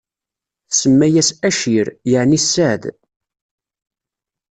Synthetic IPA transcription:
θsəmːæjæsæʃiɾjəʕnisːæʕð

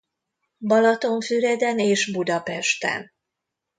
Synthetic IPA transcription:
bɒlɒt̪o̞ɱfyɾɛd̪ɛneːʃbud̪ɒpɛʃt̪ɛ̰n

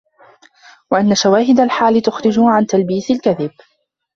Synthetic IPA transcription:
waʔanːaʃawaːɦɪd̪alħaːlt̪ʊxɾɪd͡ʒʊʕant̪albiːθɪlkaðɪb̚

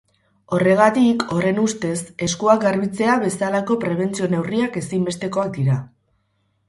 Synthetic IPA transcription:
o̞re̞ɣ̞at̪ikʰo̞re̞nust̪e̞se̞skuak̚ɡaɾβit͡se̞aβe̞salako̞pɾe̞β̞e̞nt͡sio̞ne̞wriake̞simbe̞st̪e̞ko̞ak̚d̪iɾa

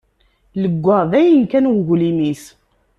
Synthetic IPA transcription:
ləɡʷːɑˤðæjənkænwɣlimis

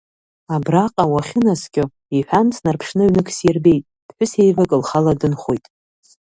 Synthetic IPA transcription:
abraqʼawaχʲɪnaskʲʼʊ | iħʷᶣant͡sʰnarpʰʂnɨʕɥnɨkʰʼsjerbe̞jtʼ | d̥ħʷᶣʊse̞jvakʼɨlχaladɨnχojtʼ

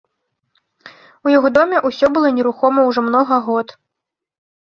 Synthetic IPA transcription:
ujaɣɔd̪ɔmʲɛʔusʲɔbɨlˠɔnʲɛɾuxɔmɐwʐɔmnɔɣɐɣɔt̪

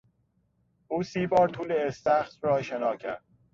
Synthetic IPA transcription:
ʔuːsiːbɒːɾt̪ʰuːleːst̪æxt̪rɒːʃenɒːcʰæ̰ɾd̪̥

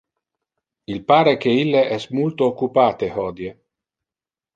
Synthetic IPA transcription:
ilpaːɾekeilːeʔɛsmult̪oːkːupaːt̪ehɔːd̪je

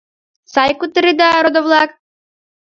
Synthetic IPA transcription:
sɑjkut̪ə̆ɾid̪ɑɾod̪ovlˠɑk

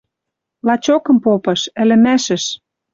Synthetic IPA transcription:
lɑt͡ɕokɤ̆mpopɤ̆ʃɘ̆lɘ̆mæʃɘ̆ʃ

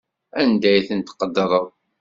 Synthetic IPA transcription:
ænd̪æjθənt̪qəd̪ːəɾˤəðˤ

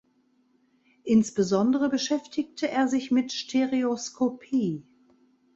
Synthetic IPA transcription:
ʔɪnsb̥əzɔndəʁəbəʃɛftʰɪk̚tʰəʔeːɐzɪçmɪtʃtʰeʁeoskʰopʰiː

